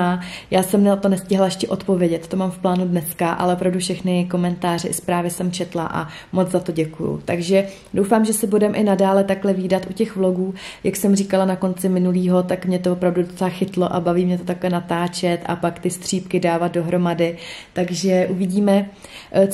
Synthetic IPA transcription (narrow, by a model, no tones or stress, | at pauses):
ajaːsɛmnɛt̪onɛscɪɦlaɛʃcɛʔo̞t̪po̞vjɛɟɛt̪t̪o̞maːmfplaːnudnɛskaʔa̰lɛʔopɾavdufʃɛxnɪko̞mɛnt̪aːr̝ɛʔɪspɾaːvɪsɛmt͡ʃɛt̪laʔa̰ | mod͡zzat̪o̞ɟɛkujṵt̪aɡʒɛ | do̞wfaːmʒɛsɛbudɛmʔɪnadaːlɛt̪aklɛviːdat̪ʔucɛxvlo̞ɡuːjaksɛmriːkalanako̞nt͡sɪmɪnuliːɦo̞t̪akmɲɛt̪ovopɾavdudot͡sɛlaxɪt̪lo̞ʔabaviːmɲɛt̪o̞t̪aklɛnat̪aːt͡ʃɛt̪ʔa̰pakt̪ɪst̪r̝̥iːpkɪdaːvat̪̚do̞ɦɾo̞madɪt̪aɡʒɛʔuvɪɟiːmɛ